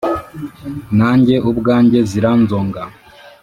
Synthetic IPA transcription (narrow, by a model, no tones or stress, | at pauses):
naːɲɟe̞ʔubɡaːɲɟe̞ziɾanzoːŋɡa